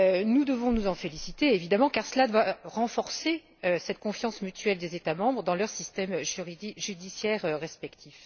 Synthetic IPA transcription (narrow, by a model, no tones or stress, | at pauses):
nud̪əvɔ̃nuzɑ̃felisit̪eːvid̪amɑ̃kaʁsəlad̪waʁɑ̃fɔʁse | øsɛt̪kɔ̃fjɑ̃smyt̪ʰɥɛld̪ezet̪amɑ̃bʁəd̪ɑ̃lœʁsist̪ɛmʒyʁid̪iʒyd̪isjɛʁøʁɛspɛkt̪ʰif